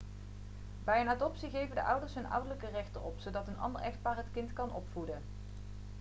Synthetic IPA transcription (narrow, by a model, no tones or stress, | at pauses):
bɛjənadɔpsiɣejvəndə̰ʔʌwdəɹsɦɵnʌ̰wdələkərɛχtərɔpsowdɑtənɑ̰ndəɹɛxt̚paːrɦətkɪntkɑnʔɔ̰pfudən